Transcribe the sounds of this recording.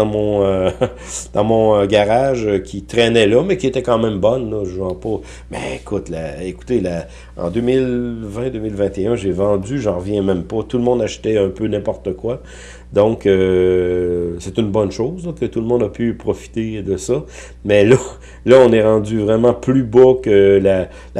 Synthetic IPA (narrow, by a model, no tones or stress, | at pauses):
ɑ̃mɔ̃ø | d̪̥ɑ̃mɔ̃ɡaʁaʒəkʲʰit̪ʁɛnɛlɔmɛkʲiet̪ɛkɑ̃mɛ̃mbɔnlɔʒɑ̃pɔ | mɛ̰ekʰʊt̪laeku̥t̪ela | ɑ̰̃d̪ømɪlvɛ̃d̪øːmɪlvɛ̃t̪eœ̃ʒevɑ̃dd͡zyʒɑ̃ʁəvjɛ̃mɛ̃mpɔt̪ulmɔ̃d̪aʃt̪ɛœ̃pønɛ̃pɔʁt̪əkwa | d̪ɔ̃kø | sɛt̪ynbɔnʃozlɔkət̪ulmɔ̃d̪apʰypʁɔfi̥t̪ed̪əsɔ | mɛlʌ | lʌɔ̃nɛʁɑ̃dd͡zyvʁɛmɑ̃plybɔkəla | l